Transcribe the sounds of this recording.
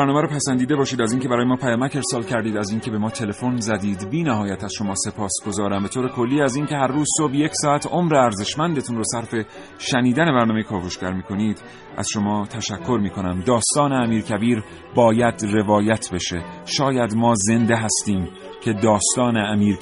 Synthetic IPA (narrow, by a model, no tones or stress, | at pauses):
bæɾnɒːmæɾoːpʰæsænd̪iːd̪e̞bɒːʃiːd̪æziːnkeæɾɒːjemɒːpʰæjɒːmæce̞ɾsɒːlcʰæɾd̪iːd̪æziːncʰe̞be̞mɒːt̪ʰe̞le̞fo̞nzæd̪iːd̪biːnæɦɒːjæt̪ʰæz̥ʃo̞mɒːse̞pʰɒːsɡ̥o̞zɒːɾæmbe̞t̪ʰoːɾe̞kʰo̞lːiːæziːncʲe̞ɦæɾːuːzsobje̞cʰsɒːæt̪o̞mɾeæɾze̞ʃmænd̪e̞t̪ʰunroːsæɾfe̞ | ʃæniːd̪æne̞bæɾnɒɔːmejekʰɒːvoʃcæɾmiːkʰo̞niːd̪̥ | ʔæ̰z̥ʃo̞mɒːt̪ʰæʃækʰːoɾmiːkʰo̞næmd̪ɒːst̪ɒːneæmiːɾcʰæbiːɾ | bɒːjæd̪re̞vɒːjæt̪ʰbe̞ʃe̞ʃɒːjæd̪mɒːze̞nd̪eɦæst̪iːm | cʲʰe̞d̪ɒːst̪ɒːne̞æmiːɾ